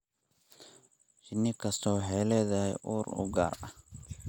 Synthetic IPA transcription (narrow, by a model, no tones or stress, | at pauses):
t͡ʃɪnːɪkʰɐst̪ʰɔːɦɛːlɛðɐɛjʔuːɾʊ̰ɡa̰ːrɐh